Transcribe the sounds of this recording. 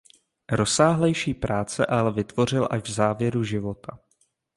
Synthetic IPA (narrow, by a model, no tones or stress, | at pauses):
ɾo̞saːɦlɛjʃiːpɾaːt͡sɛʔalɛvɪt̪vo̞r̝ɪlʔaʒvzaːvjɛɾuʒɪvo̞t̪ʰa